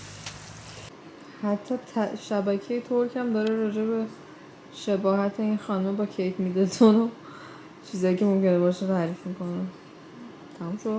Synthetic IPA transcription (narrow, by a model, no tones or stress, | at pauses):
hæt̪ʰːɒːt̪ʰʃæbæcʰejet̪ʰoɾcʰæmd̪ɒːɾeɾɒːd͡ʒe̞be | ʃe̞bɒːɦæt̪ʰeinxɒːnomebɒːcʰejt̪mid̪et̪ʰuno | t͡ʃʰiːzɒːjicʰe̞mo̞mcʰe̞nebɒʃet̪ʰæːɾifmiko̞ne | t̪ʰæmumʃo